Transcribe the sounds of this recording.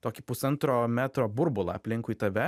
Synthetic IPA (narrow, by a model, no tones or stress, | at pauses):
t̪oːkʲɪpʊsɐnt̪ɾoːmʲæːt̪ɾoːbʊɾbʊlˠɐ̰ɐpʲlʲɪŋkʊiːt̪ɐʋʲɛ